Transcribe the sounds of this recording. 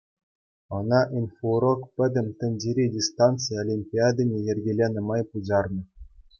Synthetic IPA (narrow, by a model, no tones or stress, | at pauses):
ɤ̆nɑʔinfuɾokpʲɘ̆d̪ʲɘ̆mʲt̪ʲɘ̆nʲd͡ʑʲeɾʲidʲist̪ɑnt̪t͡sɨjolʲimʲpʲiɑd̪ɤ̆nʲejɘ̆rʲɡʲelʲenɤ̆mɑjpud͡ʑɑrnɤ̆